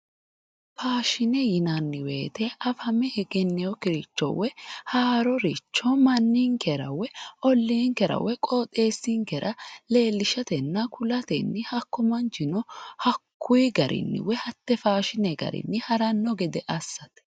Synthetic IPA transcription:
faːʃɪnɛjɪnɐnːɪwe̞ːt̪ɛʔɐfhɐmɛhɛɡɛnːɛjɔkɪɾɪt͡ʃːɔ̰wɛhaːɾɔɾit͡ʃːɔmɐnːiŋkɛɾɐ̰wɛɔlːiːŋkɛɾɐ̰wɛkʼoːt̪ʼe̞ːsːiŋkɛɾʔɐle̞ːlːɪʃɐt̪ɛnːɐkʰʊlɐt̪ɛnːɪhɐkːɔmɐnt͡ʃɪnɔhɐkʰːʊjɡɐɾʔɪ̰nːɪ̰wɛhɐt̪ːɛfaːʃɪnɛɡɐ̰ɾɪ̰nːɪhɐɾɐnːɔɡɛd̪ɛʔɐsːɐt̪ɛ̥

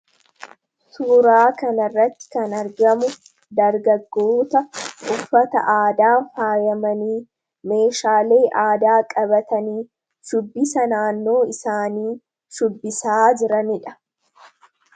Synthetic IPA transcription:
suːɾaːkɐnɐrːɐt̪ːɪ̥kɐnɐɾɡɐmʊ | d̪ɐɾɡɐɡːoːt̪ɐʔʊfːɐt̪ɐ̰ʔaːd̪aːfaːjɐmɐniː | me̞ːʃaːle̞ːʔaːd̪aːkʼɐbɐt̪ɐniː | ʃʊbːɪsɐnaːnːo̞ːɪsaːniː | ʃʊbːɪsaːd͡ʒɪɾɐnɪᶑɐ̥

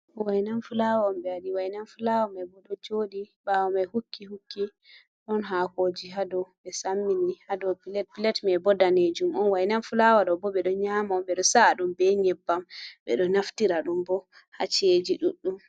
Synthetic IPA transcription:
wajnanfulawambɛaɗiwajnanfulawɔmɛbɔɗɔd͡ʒoːɗibawɔmɛhukːihukːi | ɗɔnɦakod͡ʒiɦadɔɓɛsamːinihadɔpilɛtpilɛtmɛbɔdaned͡ʒumɔnwajnanfulawaɗɔbɔɓɛɗɔɲamambɛɗɔsaɗumbɛɲɛbːamɓɛ̰ɗɔnaftiɾaɗumbɔ | ha̰t͡ʃed͡ʒiɗuɗːum

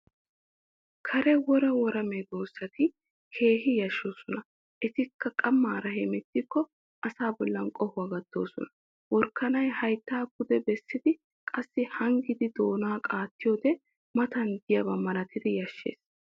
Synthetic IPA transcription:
kʰɐɾɛwɔɾɐwɔɾɐmɛd̪oːsːɐt̪ɪ | kʰe̞ːɦɪjɐʃːo̞ːsɔnɐ | ʔɛt̪ɪkːɐkʼɐmːaːɾɐhɛmɛt̪ːɪkːɔ | ʔɐsaːbɔlːɐnkʼɔhʊɐɡɐd̪̥ːo̞ːsɔ̰nɐ̥ | wɔɾkːɐnɐjhɐjt̪ːaːɡʊd̪ɛbɛsːɪd̪ɪ | kʼɐsːɪhɐŋɡɪd̪ɪd̪o̞ːnaːkʼaːt̪ːɪjoːd̪ɛ | mɐt̪ɐnd̪ɪjɐbɐmɐɾɐt̪ːɪd̪ɪjɐʃːe̞̰ːs

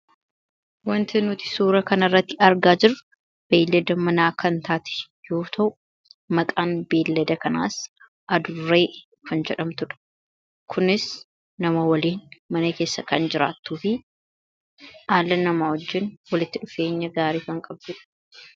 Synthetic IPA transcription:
wɐnt̪ʰɛnut̪ɪ̥suːɾɐkɐnɐrːɐt̪ːɪɐɾɡaːd͡ʒɪɾrʊ | b̥eːlːɛd̪ɐmɐnaːkɐnt̪aːt̪ɛ̥ | jo̞ːt̪ʰɐʔʊ | mɐkʼaːnbe̞ːlːɛd̪ɐkɐna̰ːs | ʔɐd̪ʊrːe̞ː | kɐnd͡ʒɛᶑɐmt̪ʊᶑɐ̥ | kʰʊnɪs | nɐmɐwɐliːnmɐnɐke̞ːsːɐkɐnd͡ʒɪɾa̰ːt̪ːuːfɪ | ʔaːlːɐnɐmaːhɔd͡ʒːɪnwɐlɪt̪ːɪᶑʊfe̞ːɲːɐɡaːɾiːfɐŋkʼɐbd̪ɪᶑɐ̥

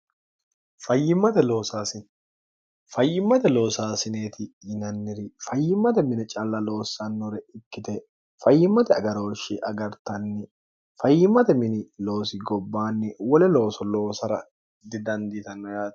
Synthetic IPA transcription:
fɐjːɪmːɐt̪ɛlo̞ːsaːsɪn | fɐjːɪmːɐt̪ɛlo̞ːsaːsɪneːt̪ɪɪnɐnːɪɾɪfɐjːɪmːɐt̪ɛmɪnɪt͡ʃʼɐlːɐlo̞ːsːɐnːɔɾɛɪkːɪt̪ɛ | fɐjːɪmːɐt̪ɛɐɡɐɾoːʃɪʔɐɡɐɾt̪ɐnːɪ | fɐjːɪmːɐt̪ɛmɪnɪlo̞ːsɪɡɔbːaːnːɪwɔlɛlo̞ːsɔlo̞ːsɐɾɐ | d̪ɪd̪ɐnd̪iːt̪ɐnːɐjaːd̪

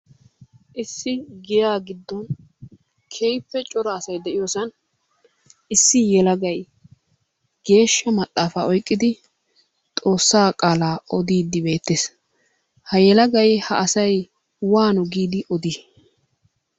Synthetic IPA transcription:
ʔɪsːɪɡɪjaːɡɪd̪ːɔn | kʰejpːɛt͡ʃʼɔɾɐːsɐjd̪ɛʔɪjoːsɐn | ɪsːɪjɛlɐɡɐj | ɡ̥e̞ːʃːɐmɐt̪ʼːaːfaːɔjkʼːɪd̪ɪ | t̪ʼo̞ːsːaːkʼaːlaːɔd̪iːd̪ːɪbe̞ːt̪ːeːs | hɐjɛlɐɡɐjhɐ̰ʔɐsɐj | waːnɔɡiːd̪ɪʔɔd̪i

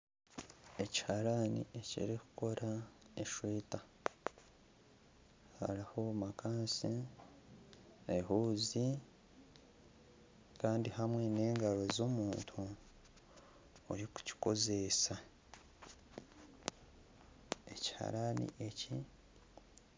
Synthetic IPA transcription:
e̞ci̥haɾanḭʔe̞cḭɾiku̥ko̞ɾʔaeʃwiːta | ha̰ɾiho̞makaːnsi | eɦuːzi | kaːndihamwe̞ne̞ːŋɡaɾo̞zomuːntʰu | oɾiku̥ci̥ko̞ze̞sa | e̞ci̥ha̰ɾanḭʔe̞cḭ

